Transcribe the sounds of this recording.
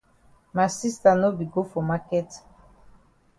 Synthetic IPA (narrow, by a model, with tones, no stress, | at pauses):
ma˨si˦sta˨no˦bi˨ɡo˦fo˨ma˦kɛ˦t